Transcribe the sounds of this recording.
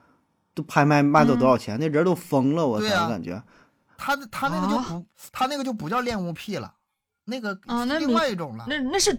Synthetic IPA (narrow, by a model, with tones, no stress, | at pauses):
t̪o˥pʰa˥ɪma˥˩ɪma˥˧ɪɑ˥˩t̪wɔ˥jɑ˨˩t͡ɕʰjɛ˧˥ne˥˩ɻə˧˥t̪o˥ʊfɤ˥ŋlə˧wɔ˨˩t̪we˥˨˩ɪ˥ɐm˥˩˧ka̰˨˩nt͡ɕɥɛ̰˧˥ | t̪ʰa˥˧t̪ʰa˥na˥˩˧ɡə˧t͡ɕjo˥˧˩pu˧˥ | t̪ʰa˥na˥˩ɡə˩t͡ɕjo˥˩ʊp̬u˨˩t͡ɕjɑ˥˧ʊljɛ˥˧nu˥˧pʰi˥˩lə̰˩ | na˥˩ɡə˩˧˥li˥˧ŋwa˥˧ɪi˥˩ʈ͡ʂʊ˨˩ŋlə̰˦na˥˧na˥˧ʂɻ̩˥˩